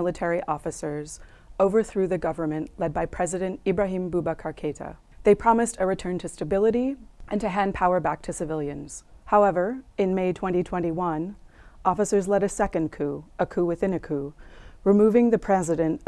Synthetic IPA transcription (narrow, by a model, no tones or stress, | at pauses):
lˠətʰɛɹiʔɔfɨsə˞z | oʊvə˞θɹʉðɨɡʌvə˞mɨ̃nʔlɛd̚baɪpʰɹ̥ɛzɨɾɨ̃ntibɹaɦĩmbubəkʰɑɹkʰeɪɾə̰ | ðeɪpʰɹ̥ɑmɨstɨɹɨtʰɜ̃˞ntʰɨstɨbɪlˠəɾiʔɨ̃ntɨɦæ̃npʰaʊə˞bæk̚tʰɨsɨvɪlˠjɨ̃nz̥haʊɛvə˞ɨ̃nmeɪtʰw̥ɛ̃ñitʰw̥ɛ̃ñiwʌ̃nɔfəsə˞zlɛɾɨsɛkɨ̃nkʰʉəkʰʉwɨθɪ̃nɨkʰʉɹɨmuvɪ̃ŋðɨpʰɹ̥ɛzɨɾɨ̃nt